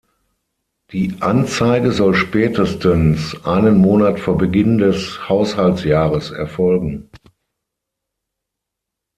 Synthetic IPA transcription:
d̥iːʔant͡saɪɡəzɔlʃpɛːtəstənsʔaɪnənmoːnatfoːɐbəɡɪndɛshaʊshaltsjaːʁəsɛ̰ɐfɔlɡŋ̩

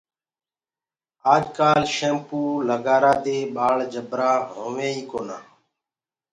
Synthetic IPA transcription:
aːd͡ʒkaːlʃẽːmpuːləɡaːɾãːd̪eːɓaːɭd͡ʒəbɾãːɦõːʋẽːiːkoːnãː

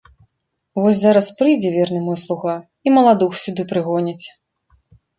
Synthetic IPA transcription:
vɔsʲzaɾɐspɾɨjd͡zʲɛvʲɛrnɨmɔjslˠuɣa | imɐlˠad̪uxsʲud̪ɨpɾɨɣɔnʲɐt͡sʲ

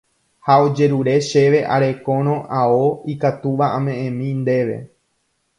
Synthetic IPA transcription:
haod͡ʒe̞ɾuɾe̞ʃe̞ʋe̞ʔa̰ɾe̞kõ̞ɾ̃õ̞ʔaoikat̪uʋaʔãmẽ̞ẽmĩnd̪e̞ʋe̞̰

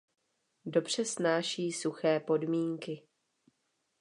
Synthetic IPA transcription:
do̞br̝̥ɛsnaːʃiːsuxɛːpo̞dmiːŋkɪ

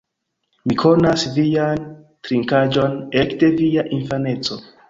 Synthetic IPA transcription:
mikʰo̞nasvijan | tɾiŋkad͡ʒo̞nekde̞vijaʔinfane̞t͡so̞

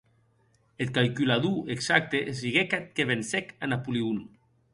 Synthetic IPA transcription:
et̪̚kalkylaðueksak̚t̪eʔsiɣekat̪̚keβensɛkanapuliun

